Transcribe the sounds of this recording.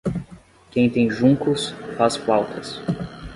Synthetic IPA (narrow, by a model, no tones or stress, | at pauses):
kẽj̃t̪ẽj̃ʒũŋkʊsfaspawt̪ʰɐs